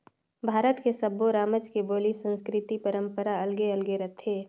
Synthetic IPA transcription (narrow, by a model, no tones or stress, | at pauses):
bʱaːɾət̪kesəboɾaːməd͡ʒkeboːlisə̃nskɾɪt̪ipəɾə̃mpəɾaɐlɡeɐlɡeɾɐt̪ʰːeː